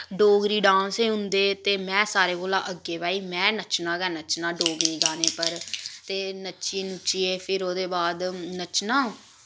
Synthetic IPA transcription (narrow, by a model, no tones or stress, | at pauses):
ɖoːɡɾiːɖãːnseːɦʊ̃nd̪eːt̪eːmɛ̃ːsaːɾeːkoːlaːʔəɡeːbaːiːmɛ̃ːnət͡ʃnãːɡɛːnət͡ʃnãːɖoːɡɾiːɡaːneːpəɾt̪eːnət͡ʃiːnʊt͡ʃiːeːpʰɪɾoːd̪eːbaːd̪nət͡ʃnãː